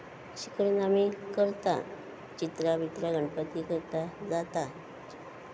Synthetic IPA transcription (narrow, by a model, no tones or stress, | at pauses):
ɕi̥kəɾunamikəɾt̪a̰ | t͡ɕit̪ɾabʱit̪ɾaɡəɳpət̪ikəɾt̪ad͡zat̪a